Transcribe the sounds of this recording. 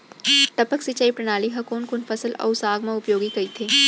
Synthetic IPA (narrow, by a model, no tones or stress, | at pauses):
ʈ̪ɐpəksit͡ʃaːipɾɐñaːliɦɐkoːnkʊnfɐsəlɔ̰ʊsaːɡmãʊpjoːɡikɐit̪ʰeː